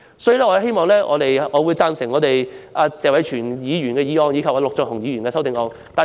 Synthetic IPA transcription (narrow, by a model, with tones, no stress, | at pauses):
sɔː˨˥jyː˧lɛː˥ɔː˧˥˧he˥jmɔː˨˧ŋlɛː˥ʔɔ̰ː˨˧t̪e˨jʔɔː˨˧wu˨˧jt͡saː˧nsɪ˨˩ŋːɔː˨˧t̪e˨jʔaː˧t͡sɛː˨kwɐ˨˥jt͡ʃʰyː˨˩njiː˨˧ɥyː˨˩nkɛː˧jiː˨˧ɔː˧ŋji˨˧kʰɐ˨p̚aː˨˧lʊ˨k̚t͡sœ˨˩ŋɦʊ˨˩ŋjiː˨˧ɥyː˨˩nkɛː˧sɐ˥wt̪ɪ˨˧ŋɔː˧ŋ | t̪aː˨